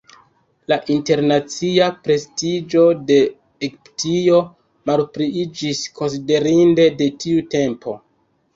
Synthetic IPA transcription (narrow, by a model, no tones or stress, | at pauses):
laʔinte̞ɾnat͡siapɾe̞stid͡ʒo̞de̞ː | kptijo̞ | malpɾiid͡ʒiskʰo̞ns̬ide̞ɾinde̞de̞tiute̞mpʰo̞